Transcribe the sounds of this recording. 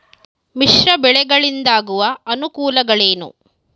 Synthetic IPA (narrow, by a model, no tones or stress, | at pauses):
miʂɾɐbɛɭɛɡɐɭind̪aːɡuʋɐɐnukuːlɐɡɐɭeːnṵ